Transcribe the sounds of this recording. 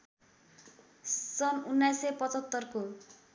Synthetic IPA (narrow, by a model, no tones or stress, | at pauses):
sʌnunːajsepʌt͡sʌt̪ːʌrko